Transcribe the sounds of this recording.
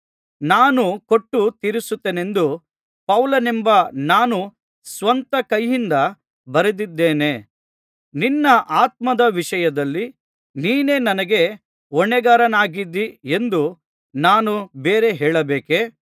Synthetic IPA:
naːnukoʈːut̪iɾisut̪ːene̞nd̪u | pɐwlɐnembɐnaːnu | sʋɐnt̪ɐkɐjind̪ɐ | bɐɾed̪id̪ːeːne̞ː | ninːɐʔaːt̪̚mɐd̪ɐʋiʃɐjɐd̪ɐlːi | niːne̞ːnɐnɐɡe̞ | ɔɳːɛɡaːɾɐnaːɡid̪iend̪u | naːnubeːɾe̞ɦɛːɭɐbeːke

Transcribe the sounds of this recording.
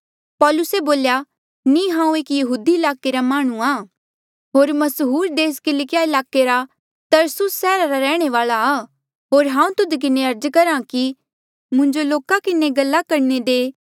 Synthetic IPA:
pɔːlʊseboːlja | nĩɦãːũeːkjɐɦuːd̪iɪlaːkeɾamaːɽ̃ũaː | ɦoːɾmɐsɦuːɾd̪eːskɪlɪkɪjaɪlaːkeɾa | t̪ɐɾsʊsːɛːɾaɾaɾɛːɽ̃eʋaːɭa | ɦoːɾɦãːũt̪ʊd̪k̬ɪneɐɾd͡ʒkɐɾãki | mʊ̃ɲd͡ʒoloːkakɪneɡɐlːakɐɾned̪eː

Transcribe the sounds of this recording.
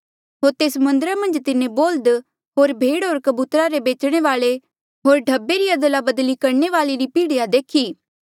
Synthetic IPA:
ɦoːɾt̪eːsmɐ̃nd̪əɾamɐ̃nd͡ʒt̪ɪnẽboːld̪ | ɦoːɾbʱeːɽɦoːɾkɐbuːt̪ɾaɾebeːt͡ʃɽ̃eʋaːɭe | ɦoːɾɖʱɐbːeɾiɐd̪əlabɐd̪likɐɾneʋaːleɾipiːɽijad̪eːkʰiː

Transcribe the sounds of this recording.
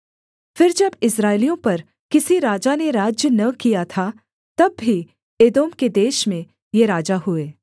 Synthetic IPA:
fɪɾd͡ʒɐbɪsɾaːɪlijõpɐɾ | kɪsiɾaːd͡ʒaneɾaːd͡ʒjənɐkijat̪ʰa | t̪ɐbːi | eːd̪oːmked̪eːʃmẽ | jeɾaːd͡ʒaɦʊeː

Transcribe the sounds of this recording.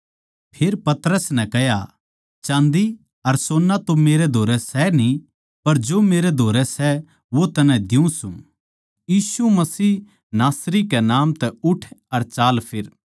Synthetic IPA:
pʰeːɾpɐt̪ɾəsnɛkɛɦja | t͡ʃãːnd̪i | ɐɾsoːnːat̪omeːɾɛd̪ʱoːɾɛsɛnĩ | pɐɾd͡ʒoːmeːɾɛd̪ʱoːɾɛsɛ | ʋot̪ɐnɛ̃d̪ɪũsũ | jiːsumɐsiː | naːsɾikɛnaːmt̪ɛʊʈʰɐɾt͡ʃaːlpʰɪɾ

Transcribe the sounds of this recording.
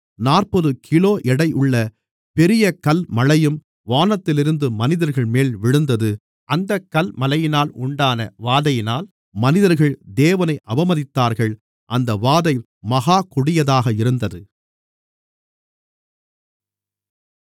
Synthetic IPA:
naːrpɔðɯkʰɪloːʔɛɽɐɪʔʊɭːɐ | pɛɾɪjɐkɐlmɐlɐjɯm | ʋaːnɐt̪ːɪlɪɾɯnd̪ɯmɐnɪðɐɾɣɐɭmeːlʋɪɻɯnd̪ɐðɯ | ʔɐnd̪ɐkːɐlmɐlɐjɪnaːlʊɳɖaːnɐ̰ʋaːðɐjɪnaːl | mɐnɪðɐɾɣɐɭd̪eːʋɐnɐɪʔɐbɐmɐðɪt̪ːaːɾɣɐɭ | ʔɐnd̪ɐʋaːðɐɪ | mɐɣaːkʊɽɪjɐðaːɣɐɪɾɯnd̪ɐðɯ

